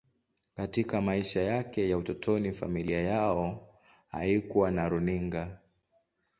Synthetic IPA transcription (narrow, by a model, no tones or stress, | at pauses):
katikamaiʃajakɛjautɔtʰɔnifa̰miliajaɔ | ha̰ikuwanaɾuniŋɡa